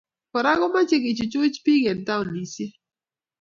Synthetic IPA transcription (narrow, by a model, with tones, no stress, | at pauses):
kɔ˨ɾa˦ɣɔ˦ma˦t͡ʃe˦kɪ˨t͡ʃu˨t͡ʃʊ˦t͡ʃpi˦ɡɛ˨nta˦ʊ˨nni˨sje˦